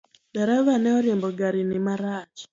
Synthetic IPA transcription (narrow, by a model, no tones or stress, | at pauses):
daɾaβanɛɔɾjembɔɡaɾinimaɾaːd͡ʒi̥